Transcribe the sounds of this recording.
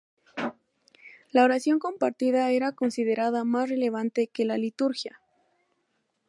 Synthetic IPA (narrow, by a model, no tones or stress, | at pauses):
laoɾasjo̞ŋko̞mpaɾt̪iðae̞ɾako̞nsið̞e̞ɾaðamasre̞le̞β̞ant̪e̞ke̞lalit̪uɾxja